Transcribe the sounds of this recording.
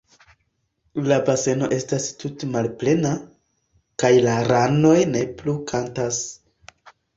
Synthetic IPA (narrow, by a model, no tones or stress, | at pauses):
labase̞no̞ʔe̞stastutemalple̞na | kajlaɾano̞jne̞plukʰantas